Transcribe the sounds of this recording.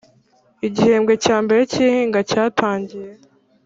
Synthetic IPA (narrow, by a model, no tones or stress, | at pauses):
iɟiheːmɡwe̞caːmbe̞ɾeciːhiːŋɡacaːtʰaːɲɟije